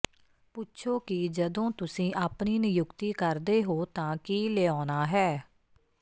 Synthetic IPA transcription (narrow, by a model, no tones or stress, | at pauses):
pʊʃʰoːkɪd͡ʒəd̪õːt̪ʊsĩːʔaːpniːnəjʊkt̪iːkəɾd̪eːɦoːt̪ãːkiːleːɔːnaːɦɛː